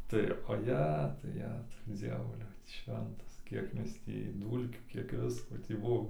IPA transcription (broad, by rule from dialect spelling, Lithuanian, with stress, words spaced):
tɐɪ oːˈjæːtʊ ˈjæːtʊ ˈd͡zʲiɛʋʊlʲɛʊ ˈʃʲʋʲɛntɐs ˈkʲiɛk ˈmʲɛs tʲiː ˈduːlʲkʲuː ˈkʲiɛk ˈʋʲɪskoː tʲiː ˈbuɔ